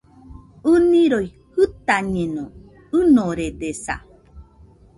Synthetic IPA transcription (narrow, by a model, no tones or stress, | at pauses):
ɨnĩɾoj | hɨt̪aɲeno | ɨnoɾed̪esa̰